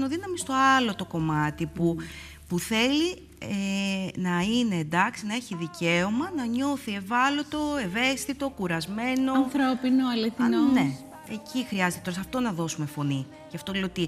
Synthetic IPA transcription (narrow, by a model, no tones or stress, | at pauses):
noðinɐmist̪o̞ɐlo̞t̪o̞ko̞mɐt̪ipu | puθe̞li | enɐine̞ːnd̪ɐksinɐe̞çiðice̞o̞mɐnɐɲo̞θie̞vɐlo̞t̪o̞e̞ve̞st̪it̪o̞kuɾɐzme̞noθɾopinoɐliθinonne | ecʰixɾiɐze̞t̪et̪oɾɐsɐft̪o̞nɐðo̞sume̞fo̞ni | ceɐft̪oleot̪i